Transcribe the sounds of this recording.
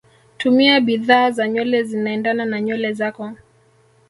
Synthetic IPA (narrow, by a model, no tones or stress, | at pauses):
tumiaɓiðaːzaɲɔlɛzinaɛndananaɲɔlɛzakɔ